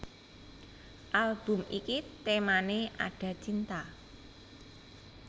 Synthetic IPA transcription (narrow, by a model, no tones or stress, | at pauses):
ʔalb̥ṳmikit̪emaneʔa̰ɖ̥ä̤t͡ʃint̪a